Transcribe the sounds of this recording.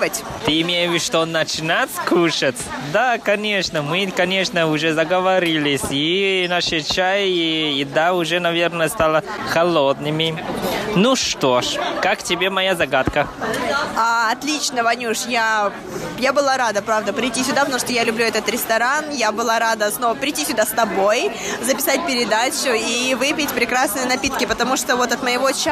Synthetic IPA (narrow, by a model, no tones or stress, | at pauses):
vətʲ | t̪ɨɪmʲejvʲɪʂt̪onət͡ɕɪnatʲsʲkuʂətt͡ssʲd̪akɐnʲe̞ʂnəmɨkɐnʲe̞ʂnəʊʐɛzəɡəvɐɾʲilʲɪsʲinaʂɨt͡ɕajiɪd̪aʊʐɛnɐvʲe̞rnəjəst̪alˠə | xɐlˠo̞d̪nɨmʲɪnuʂt̪oʂkaktʲɪbʲe̞mɐjazɐɡat̪kə | aɐt̪lʲit͡ɕnəvɐnʲuʂja | jabɨlˠaɾad̪əpɾavd̪əpɾʲɪjtʲːisʲʊd̪apət̪ɐmu̥ʂt̪ojalʲʊblʲuɛt̪ət̪ɾʲɪst̪ɐɾanjabɨlˠaɾad̪əsno̞vəpɾʲɪtʲisʲʊd̪ast̪ɐbo̞jzəpʲɪ̥sat̚ʲpʲɪɾʲɪd̪at͡ɕʊivɨpʲɪtʲpɾʲɪkɾasnɨjənɐpʲit̪kʲɪpət̪ɐmuʂt̪ovo̞t̪ɐt̪məjɪvo̞t͡ɕ